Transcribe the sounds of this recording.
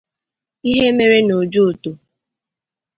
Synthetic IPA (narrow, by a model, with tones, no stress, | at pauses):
i˦ɦe˦me˦ɾe˦no˨d͡ʒu˦˨to˨